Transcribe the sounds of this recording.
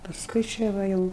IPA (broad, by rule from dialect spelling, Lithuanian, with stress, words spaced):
pɐsˈkʊɪ ˈt͡ʃʲɛ ʋɐ ˈjɛʊ